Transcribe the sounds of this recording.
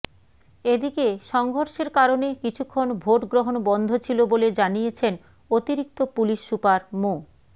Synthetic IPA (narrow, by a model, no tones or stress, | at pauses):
ed̪ikeʃɔŋɡʱoɾʃeɾkaɾonekit͡ɕʰukʰːonbʱoʈɡɾoɦonbɔnd̪ʱot͡ɕʰiloboled͡ʑanijet͡ɕʰen | ot̪iɾik̚t̪opuliʃːupaɾmo